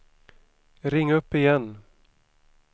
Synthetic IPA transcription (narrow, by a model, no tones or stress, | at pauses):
ɾɪŋːɵpːɪjɛn